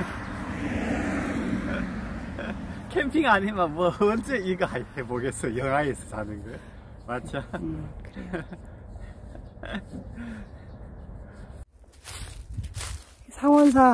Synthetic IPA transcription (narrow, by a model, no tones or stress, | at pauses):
kʰempʰiŋaɲimamuʌʌnd͡ʑeiɡɯajheboɡes͈ʌjjʌŋɦaes͈ʌ̥sanɯnɡʌ | mad͡ʑakɯɾ | sʰaŋwʌns̬ʰa